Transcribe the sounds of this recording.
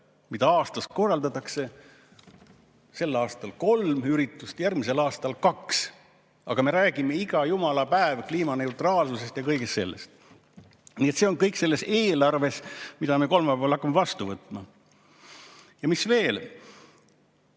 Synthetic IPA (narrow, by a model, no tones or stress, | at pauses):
mid̪ɑɑːst̪ɑs̚ko̞rːɑld̪ɑt̪ːˑɑkse̞ | se̞lːɑːst̪ɑlko̞lmyɾit̪ːˑust̪jærɡmis̬e̞lɑːst̪ɑlkɑks | ʔɑɡ̥ɑme̞ɾæːɡ̥ime̞iɡ̥ɑjumɑlɑpæevkliːmɑne̞ut̪rɑːlsuse̞st̪jɑkɤjɡest̪se̞̰lːḛst̪̚ | nie̞t̪seo̞nŋkɤjkse̞lːe̞seːlɑrve̞smid̪ɑme̞ko̞lmɑpolhɑkːˑɑmevɑst̪uvɤt̪ːˑmɑ | jɑmisve̞ːl